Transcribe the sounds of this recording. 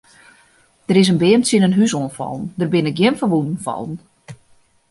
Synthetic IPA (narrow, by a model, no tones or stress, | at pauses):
d̥əɾɪs̬ənbɪəmt͡sɪnənɦysoənfɔ̰lˠn̩dərbɪnɪk̚ɡjɪnfəʋunn̩fɔ̰lˠn̩